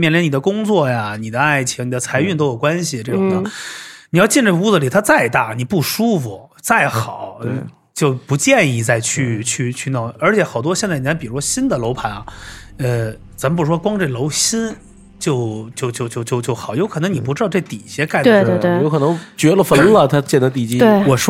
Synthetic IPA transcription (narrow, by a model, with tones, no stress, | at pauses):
mjɛ˥˩nlɛ˧˥n˨˩ə˦kʊ˥ŋt͡swɔ˥˩ja˩ni˨˩d̪ə˦a˥˩ɪt͡ɕʰi˧˥ŋni˨˩ə˦t͡sʰa˧˥ɪy˥˧nt̪o˥ʊjo˨˩ʊkwa˥nɕi˨ʈ͡ʂɤ˥˩ʈ͡ʂʊ˨˩ŋd̪ə˧˩ni˨jɑ˥˧ʊt͡ɕi˥˧nʈ͡ʂe˥˩˧u˥˩d͡zə˨˩li˨˩t̪ʰa˥t͡sa˥˧ɪt̪a˥˩ni˨˩pu˥˩ʂu˥fu˨˩ | t͡sa˥˩ɪxɑ˨˩˦ʊ˧ | t͡ɕjo˥˩ʊpu˧˥t͡ɕjɛ˥˧ni˥˧t͡sa˥˧ɪt͡ɕʰy˥˧˩t͡ɕʰy˥˧t͡ɕʰy˥˧nɑ˥˩ə˞˧˥t͡ɕʰjɛ˧˥xɑ˨˩ʊt̪̬wɔ˥ɕjɛ˥˧nt͡sa˥˩i˨˩t͡sa˥˩pi˨˩u˧˥ʂwɔ˥ɕi˥nd̪ə˨lo˧˥ʊpʰa˧˥nɐ˧˩ə˧ | t͡sa˨˧˥məpu˧˩˥ʂwɔ˥kwɑ˥ŋʈ͡ʂe˥˩lo˧˥ʊɕi˥n | t͡ɕjo˥˧ʊt͡ɕjo˥˧ʊt͡ɕjo˥˧ʊt͡ɕjo˥˧ʊt͡ɕjo˥˧ʊt͡ɕjo˥˩ʊxɑ˨˩˦ʊjo˧˥ʊkʰɤ˨˩nɤ˧˥ŋni˨˩pu˧˥ʈ͡ʂɻ̩˥ɑ˥˧ʊʈ͡ʂe˥˩t̪ḭ˨˩ɕjɛ˧˥ka˥˩ɪt̪e˥˧we˥˩jo˧˥kʰɤ˨˩nɤ˧˥ŋt͡ɕɥɛ˧˥lə˨fə˧˥nlə˨t̪ʰa˥t͡ɕjɛ˥˩nd̪ə˧t̪i˥˩t͡ɕi˥e˥˩wɔ˨˩ʂ